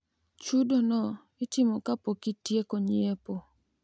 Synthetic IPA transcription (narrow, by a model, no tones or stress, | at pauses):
t͡ʃudonɔ | ɪtɪmokapokitjekoɲɪepo